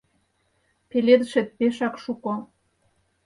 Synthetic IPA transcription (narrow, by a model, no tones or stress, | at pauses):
peled̪əʃĕt̪̚peʃɑkʃuko